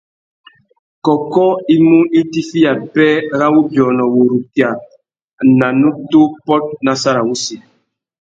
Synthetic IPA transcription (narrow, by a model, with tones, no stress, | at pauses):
kɔ˨kɔ˦i˦mu˦i˦ti˦fi˦ja˨pɛ˦ɾa˦wu˦bjɔ˨nɔ˨wo˨ɾu˨tja˨ | na˨nu˦to˦pɔ˦t̚na˨sa˦ɾa˨wu˦si˨